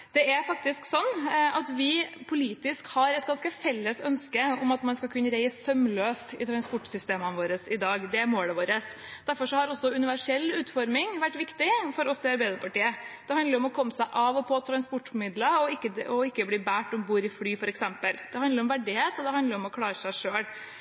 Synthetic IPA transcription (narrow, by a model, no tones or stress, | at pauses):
d̪̥ɛæɾfɑk̚t̪ɪsksɔnːʔɑt̪ʋɪpʰʊliːt̪ɪskhɑɾɛt̪ɡɑnskəfɛlːəsœnskəɔmɑt̪mɑnskɑlkʰʉnːəɾæɪsːœmløːst̪ɪ̰t̪ʰɾɑnspɔʈːsʏst̪eːmənəʋoːɾəsɪd̪ɑːɡd̪ɛæɾmoːləʋoːɾəs | d̪̥æɾfɔʂɔhɑɾɔsːɔʉnɪʋæʂɛlːʉːt̪fɔɾmɪŋʋæʈːʋɪkt̪ɪfɔɾɔsːɪɑɾbæɪd̪əɾpʰɑʈiːəd̪̥ɛhɑnd̪ləɾɔmɔkʰɔmːəsæɪʔɑːʋɔpʰɔt̪ʰɾɑnspɔʈːfɔmɪd̪ləɔɪkːəɔɪkːəbliːbæːʈɔmbuːɾɪflyːfɔɾɛksɛmpəld̪̥ɛhɑnd̪əɾɔmʋæɖɪheːt̪ɔd̪ɛhɑnd̪əɾɔmɔkʰlɑːɾəsæɪʂøːl